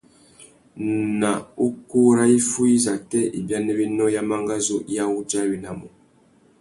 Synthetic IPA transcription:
na˨u˦ku˦ɾa˦i˦fu˦i˦za˨tɛ˦ḭ˨bja˦nɛ˦bi˦nɔ˦ja˦ma˦ŋɡa˦zo˦ja˦u˦d͡ʒa˦˨bi˨˦na˨mɔ˨

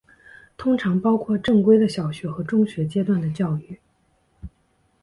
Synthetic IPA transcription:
t̪ʰʊ˥ŋʈ͡ʂʰɑ˧˥ŋpɑ˥ʊkʰwɔ˥˧ʈ͡ʂɤ˥˩ŋkwe˥ɪd̪ə˨ɕjɑ˨˩ʊɕɥɛ˧˥xɤ˧˥ʈ͡ʂʊ˥˧ŋɕɥɛ˧˥t͡ɕjɛ˥t̪wa˥˩nd̪ə˩t͡ɕjɑ˥˧ʊy˥˩

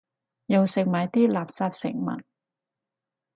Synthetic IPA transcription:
jɐ˨˧wsɪ˨k̚maː˨˧jt̪iː˥laː˨˩p̚saː˧p̚sɪ̰˨˩ŋmɐ̰˨˩n

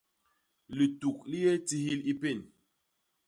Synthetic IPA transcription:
li˨tu˨kli˦je˦ti˦hi˦li˦pe˦˨n

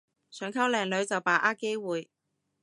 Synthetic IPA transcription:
sʰœː˨˥ŋkʰɐ˥wlɛː˨ŋlɵ˨˧˥ɥt͡sɐ˨wpaː˨˩ʔaː˥ke˥jwuː˨˩j

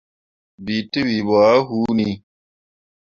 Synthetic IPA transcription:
bi˨te˦bi˨bɔ˨a˦ɦu˨˦ni˦

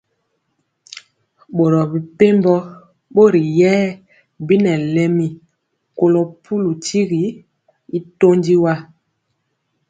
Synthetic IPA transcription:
ɓo˨ɾɔ˨bi˨pe˦mbɔ˦ | ɓo˦ɾi˨jɛː˦ | bi˦nɛ˨lɛ˨mi˨ | ko˨lo˨pʰu˦lu˨ti˦ɣi˨ | i˦to˦ndi˦wa˦

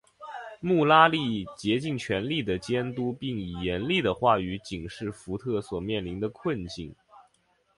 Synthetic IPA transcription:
mu˥˩la˥li˥˩t͡ɕjɛ˧˥t͡ɕi˥˩ŋt͡ɕʰɥɛ˧˥nli˥˩d̪ə˩t͡ɕjɛ˥nt̪u˥pi˥˩ŋi˨˩jɛ˧˥nli˥˩d̪ə˩xwa˥˩y˧˥t͡ɕi˨˩ŋʂɻ̩˥˩fu˧˥t̪ʰɤ˥˩swɔ˨˩mjɛ˥˩nli˧˥nd̪ə˧kʰwə˥˧nt͡ɕi˥˩ŋ

